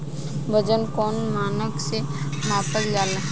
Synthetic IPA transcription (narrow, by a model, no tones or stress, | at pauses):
bəd͡ʒənkɔːnmaːnəkse | maːpəld͡ʒaːlɦ